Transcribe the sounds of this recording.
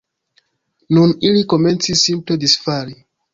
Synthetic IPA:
nũnilikomẽnsisːĩmpledisfali

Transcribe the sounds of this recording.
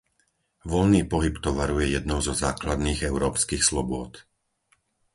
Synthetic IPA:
ʋɔlniːpɔɦipt̪ɔʋaɾujɛjɛd̪nɔʊzɔzaːklad̪niːɣɛʊɾɔːpskiːxslɔbʊɔt̪

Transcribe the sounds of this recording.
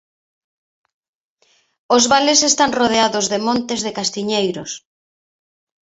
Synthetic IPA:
ozβalesest̪aŋroð̞eaðʊzðemõnt̪ezðekast̪iɲejɾʊs

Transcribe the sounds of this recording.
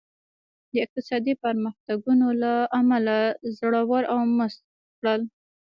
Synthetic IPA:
d̪əɪq̚t̪ɪsɑd̪ipaɾmaxt̪aɡunolaamalazɽawɑɾʔawməst̪ | kɽəl

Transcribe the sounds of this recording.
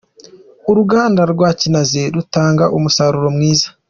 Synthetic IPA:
uɾuɡaːndaɾɡwaːcinazeɾutaːŋɡaʔumusaɾuɾo̞mŋiːzḁ

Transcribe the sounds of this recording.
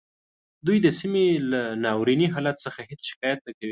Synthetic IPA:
d̪ujd̪əsimelanɑwɾiniɦɑlat̪səxahɪt͡sʃɪ̥kɑjat̪̚nəkawi

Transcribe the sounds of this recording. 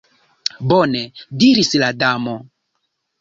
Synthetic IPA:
bonediɾisladamo

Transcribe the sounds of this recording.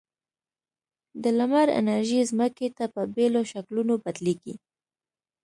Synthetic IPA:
d̪əlamaɾɪ̰naɾʒizməket̪apəbeloʃaklunobad̪liɡi

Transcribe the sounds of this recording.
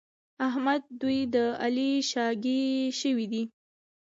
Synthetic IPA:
aɦmad̪̚ːujd̪əaliʃɑɡeʃəwid̪i

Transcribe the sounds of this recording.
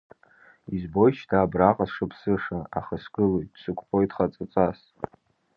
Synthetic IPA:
izbo̞jʃʰdʰaːbraqʼasʂɨpʰsɨʂaa̰χasɡɨlojt̚sɨkʷʰʼqʼo̞jdχat͡sʼat͡sʷʼas

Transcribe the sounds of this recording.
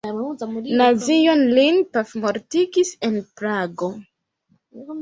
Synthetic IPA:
nazijo̞nlinpafmoɾtiɡise̞npɾaɡo

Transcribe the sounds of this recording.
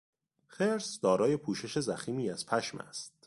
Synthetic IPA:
xeɾsd̪ɒːɾɒːje̞pʰuːʃe̞ʃe̞zæxiːmiːæz̥pʰæʃmæ̰st̪̚

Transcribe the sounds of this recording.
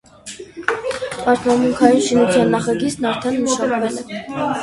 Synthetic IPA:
pɑɾt̪ʰmɑmuŋkʰɑjunʃinut͡sʰjɑnːɑχɑɡit͡sʰnɑɾt̪ʰɛnːəʃɑnvɛlɛ

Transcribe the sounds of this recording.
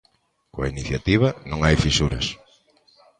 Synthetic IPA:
koainiθjat̪iβ̞ɐnõŋajfisuɾɐ̰s

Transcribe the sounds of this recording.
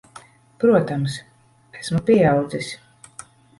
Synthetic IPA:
pɾuɔt̪ams | æsmupʲiɛawd̪zisʲ

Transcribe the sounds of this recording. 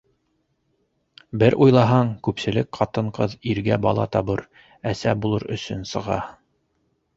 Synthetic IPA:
bɘɾʔujlˠɑɦɑɴkʉpsɘ̆lɘkqʰɑt̪ɤ̆ɴqɤðiɾɡæbɑ̰lˠɑ̰t̪ɑβɤɾ | æsæbulˠɤɾɵ̰̆sɵnsɤ̆ʁɑ̰

